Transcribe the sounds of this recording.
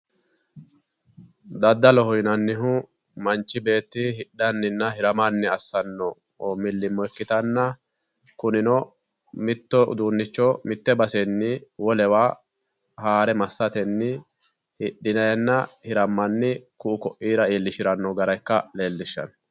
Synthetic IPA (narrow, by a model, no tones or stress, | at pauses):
d̪ɐd̪ːɐlɔhɔjnɐnːɪɦʊ | mɐnt͡ʃːɪbe̞ːt̪ːɪhɪɗːɐnːɪnːɐhɪɾɐmɐnːɪɐsːɐnːɔ | mɪlːɪmːɔɛkːɪt̪ɐnːɐ | kʊnɪnɔ | mɪt̪ːɔʊ̰d̪uːnːɪt͡ʃːɔmɪt̪ːɛbɐsɛnːɪwɔlɛwaː | haːɾɛmɐsːɐt̪ɛnːɪ | hɪɗːɪnɐjnːɐhɪɾɐmːɐnːɪkʊʔʊkɔʔiːɾɐiːlːɪʃɪɾɐnːɔɡɐɾɐjkːɐleːlːɪʃːɐ̰n